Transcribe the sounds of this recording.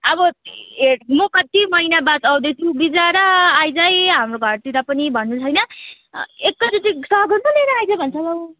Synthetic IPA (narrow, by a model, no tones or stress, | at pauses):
ʌbʌeʈmokʌt̪imʌinabat͡sawd̪ʌjt̪ʰubid͡zaɾʌajd͡zajɦamroɡʱʌrt̪iɾʌpʌnibʱʌnːut͡sʰʌjnʌ | ekːʌd͡zʌtisʌɦɡʱʌmʌlejnʌajd͡zajbʱʌnt͡sʰʌlʌw